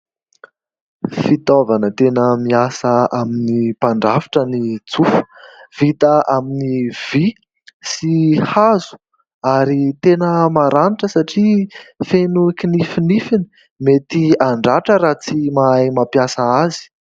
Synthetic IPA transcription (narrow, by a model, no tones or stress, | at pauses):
fit̪ovanət̪enəmiasəaminipaɳɖ͡ʐaviʈ͡ʂənit͡sufu̥v̥it̪əʔaminiv̥i | sihazu̥ | aɾit̪enəmaɾaniʈ͡ʂəsaʈ͡ʂifenukinifinifini̥ | met̪iaɳɖ͡ʐaʈ͡ʂəɾaːt͡simajmapjasəazi̥